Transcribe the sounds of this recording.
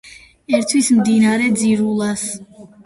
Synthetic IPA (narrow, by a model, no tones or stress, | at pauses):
ɛɾt̪ʰwismd̪inaɾɛd̪ziɾulˠas